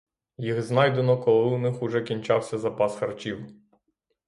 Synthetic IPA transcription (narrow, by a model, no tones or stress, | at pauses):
jiɣznɑjd̪enɔkɔlˠɪunɪxʊʒɛkʲinʲt͡ʃɑwsʲɐzɐpɑsxɐrt͡ʃʲiw